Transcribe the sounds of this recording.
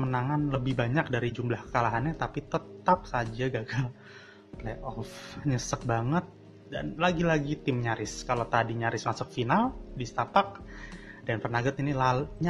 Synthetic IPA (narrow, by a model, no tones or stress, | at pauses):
mənaŋanləbɪhbaɲak̚daɾid͡ʒumlahkə̥kalaɦanɲat̪apit̪ət̪ap̚sad͡ʒaɡaɡal | leʔɔfɲəsək̚baŋət̪̚ | da̰nlaɡilaɡit̪ɪmɲaɾɪskalat̪adiɲaɾɪsmasʊk̚finaldist̪apak̚d̥anfərnaɡət̪inilaɲa